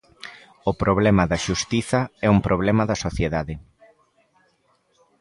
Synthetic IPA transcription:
ʊpɾoβlɛmɐðɐʃust̪iθɐɛumpɾoβ̞lɛmɐðɐsoθjeðaðɪ

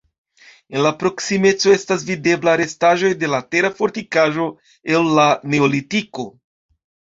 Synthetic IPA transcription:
e̞nlapɾo̞ksime̞t͡so̞e̞stas̬vide̞blaɾe̞staʒo̞jde̞late̞ɾafo̞ɾtikaʒo̞ | e̞lːane̞olitiko̞

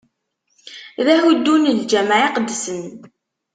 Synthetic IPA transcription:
ðæhud̪ːunəld͡ʒæmʕiqəd̪ːsən

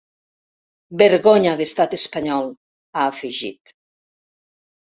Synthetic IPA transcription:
beɾɣoɲaðest̪at̪espaɲɔl | aːfiʒḭt̪

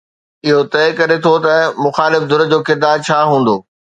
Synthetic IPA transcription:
ɪɦot̪ɛːkɐɾet̪ʰot̪ɐmʊxaːlɪfd̪ʱʊɾəd͡ʑoːkɪɾd̪aːɾt͡ɕʰaːɦũːn̆d̪oː

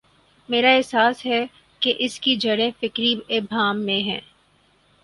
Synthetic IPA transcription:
meːɾaɛɦsaːsɦɛ | keʔɪskid͡ʒɐɽẽfɪkɾiebʱaːmːẽɦɛ̰̃ː

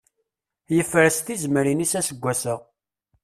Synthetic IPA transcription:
jəfːɾəst̪izməɾinisæsəɡʷːæsəʁ

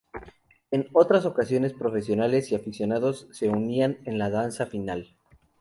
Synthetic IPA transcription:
e̞no̞t̪ɾaso̞kasjo̞ne̞spɾo̞fe̞sjo̞nale̞siafisjo̞naðo̞sːe̞unianenlaðansafinal

